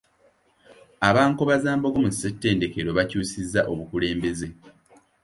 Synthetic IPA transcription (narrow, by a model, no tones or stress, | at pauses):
aβaːŋkoβazaːmboɡomusetːe̞ːnde̞keɾo̞βacuːsizːaʔo̞βukuleːmbe̞ze̞